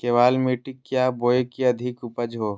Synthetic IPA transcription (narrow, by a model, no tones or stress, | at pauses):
keːʋaːlmiʈikːjaːboːjkiɐd̪ʱɪkʊpəd͡ʒɦoː